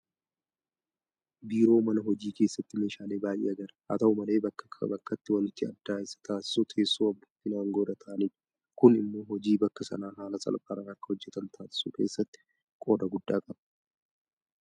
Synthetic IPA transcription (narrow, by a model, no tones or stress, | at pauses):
biːɾo̞ːmɐnɐɦɔd͡ʒiːke̞ːsːɐt̪ːɪme̞ːʃaːle̞ːbaːjʔḛːɐɡɐɾɐhɐ̰t̪ɐʊmɐle̞ːbɐkːɐ̥kʰbɐkːɐt̪ːɪwɐnɪt̪ːɪɐ̰d̪ːaːɪsːɐ̥t̪aːsɪ̥sut̪ʰeːsːuːɐbːɐɪnaːŋɡɔd̪ɐt̪ʰɐːniᶑ | kʊnɪmːoɦɔd͡ʒiːbɐkːɐsɐ̰naːɦaːlɐsʼɐ̰lpʼaːɾɐnɐkːɐ̥hɔd͡ʒːɛt̪ɐnt̪ʰaːsɪ̥sṵːke̞̰ːsːɐt̪ːɪ̥ | kʼo̞ːd̪ɐɡʊd̪ːaːkʼɐb̥